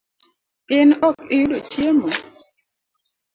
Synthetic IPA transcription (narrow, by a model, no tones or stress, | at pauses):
ɪnɔkɪulot͡ʃjemo